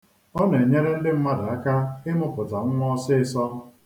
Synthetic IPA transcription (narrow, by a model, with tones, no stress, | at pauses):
ɔ˦ne˨ɲe˦ɾe˦n̩˦dɪ˦m̩˦ma˦da˨a˦ka˦ɪ˦mʊ˦pʊ˨ta˨ŋ̩˦ŋʷɔ˦sɪ˦ɪ˦sɔ˦